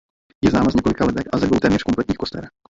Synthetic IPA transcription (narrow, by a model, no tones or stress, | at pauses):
jɛznaːmazɲɛkolɪkalɛt̪ɛxʔazɛdbowt̪ɛːmɲɛr̥ko̞mplɛt̪̚ɲiːkost̪ɛ̰ːɾɛ